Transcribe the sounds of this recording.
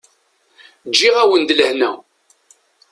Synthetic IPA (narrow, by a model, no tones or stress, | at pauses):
d͡ʒːiʁæwənd̪ləhnæ̰